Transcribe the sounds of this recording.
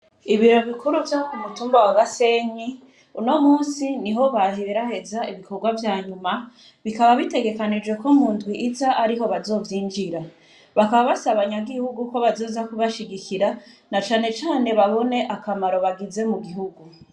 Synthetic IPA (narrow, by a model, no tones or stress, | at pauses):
iβiɾo̞βikuɾuvjakumutuːmbawaɡase̞ɲi | uno̞muːnsiniɦo̞βaɦeβeɾahe̞zaiβiko̞ɾɡwavjaːɲuma | βikaβaβite̞ɡe̞kanid͡ʒwe̞ko̞muːndɡwiʔːzaʔaɾiɦo̞βazo̞ːvjiːnd͡ʒiɾa | βakaβaβasaβaɲaɡihuɡuko̞βazo̞ːzakuβaʃiɡikʰiɾanat͡ʃaːne̞t͡ʃaːne̞βaβo̞ne̞ʔakamaɾo̞βaɡize̞muɡiɦuɡu